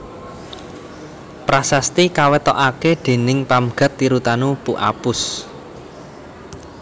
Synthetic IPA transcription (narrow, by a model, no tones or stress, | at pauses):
pɾasast̪ikawɛt̪ɔ̰ʔaked̪̥e̤nɪŋpamɡ̥a̤t̪ːiɾut̪anupuʔa̰pʊs